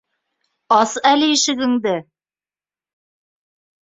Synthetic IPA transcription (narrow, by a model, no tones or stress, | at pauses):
ɑsælɘjɘ̆ʃɘ̆ɡɘ̆ŋd̪ɘ